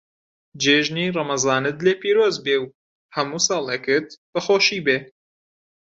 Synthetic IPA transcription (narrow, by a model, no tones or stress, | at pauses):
d͡ʒeːʒnirˤɑmɐzɑːnɨt̪leːpiːɾoːzbew | hɐmuːsɑːlˠeːkɨt̪b̥ɐxoːʃiːbeː